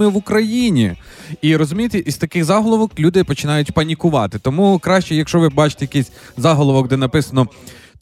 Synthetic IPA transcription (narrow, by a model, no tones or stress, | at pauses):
ɪʋʊkɾɐjinʲi | iɾɔzʊmʲijt̪ɛʔiz̥t̪ɐkɪɣzɑɦɔlˠɔʋɔklʲud̪ɪpɔt͡ʃɪnɑjʊtʲpɐnʲikʊʋɑ̰t̪ɪt̪ɔmukɾɑʃt͡ʃɛjɐkʃɔʋɪbɑt͡ʃɪ̥t̪ejɐkisʲ | zɑɦɔlˠɔʋɔk̚d̪ɛnɐpɪsɐnɔ